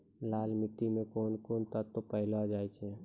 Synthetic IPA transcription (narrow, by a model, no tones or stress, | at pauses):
laːlmɪt̪ːimẽkoːnkoːnt̪ət̪opəɦload͡ʒaːit͡ʃʰɛ